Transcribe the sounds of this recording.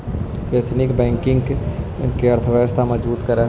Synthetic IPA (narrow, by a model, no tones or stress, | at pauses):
et̪ʰnɪkbɛ̃ːŋkɪ̃ŋɡk | ɪnkeɐɾt̪ʰəʋɛːst̪amɐd͡ʒbuːt̪kɐɾa